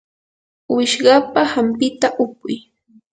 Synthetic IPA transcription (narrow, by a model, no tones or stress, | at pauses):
wɪʃɢɑpahampɪt̪aʔʊkʊj